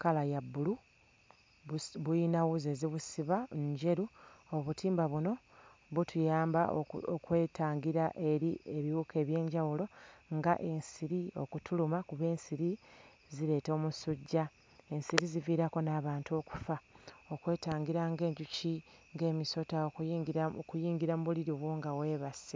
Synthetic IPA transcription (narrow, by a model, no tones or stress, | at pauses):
kalajabːulu | βujinawuze̞ziβusiβaɲɟe̞ɾuoβutʰiːmbaβuno̞ | βutʰujaːmba̰okwe̞ːtʰaːŋɡiɾaʔe̞ɾieβiwukʰe̞ːβje̞ːɲɟawulo̞ŋɡa̰ʔe̞nsiɾio̞̰kutulumakuβe̞ːnsiɾi | ziɾe̞ːto̞ːmusuɟːa | e̞nsiɾiziviːɾako̞naːβaːntuo̞ku̥fao̞kwe̞ːtaːŋɡiɾaŋɡe̞ːɲɟuciŋɡe̞ːmiso̞taokːkujiːŋɡiɾamuβuliɾiβwoːŋɡawe̞ːβase